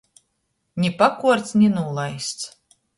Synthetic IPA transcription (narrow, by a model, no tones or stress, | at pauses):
ɲʲipakuɔɾt̪snʲinuːlˠajst̪s